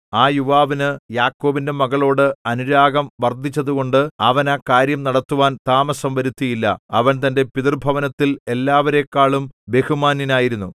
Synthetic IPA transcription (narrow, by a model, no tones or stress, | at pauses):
aːjuʋaːʋinɨjaːkːo̞ːbinde̞mɐɣɐɭo̞ːɽɨɐnuɾaːɡɐmʋɐrd̪ʱit͡ɕːɐðuɣo̞ɳɖɨɐʋɐnakaːɾjɐmnɐɽɐt̪ːuʋaːnt̪aːmɐsɐmʋɐɾut̪ːijilːɐ̰ɐ̰ʋɐnt̪ɐnde̞piðɐrbʱɐʋɐnɐt̪ːile̞lːaːʋɐɾe̞kːaːɭumbe̞humaːninaːjiɾunːu